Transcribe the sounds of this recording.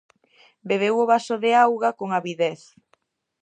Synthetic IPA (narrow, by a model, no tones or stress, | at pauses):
beβ̞ewʊβasʊðeawɣakoŋaβiðeθ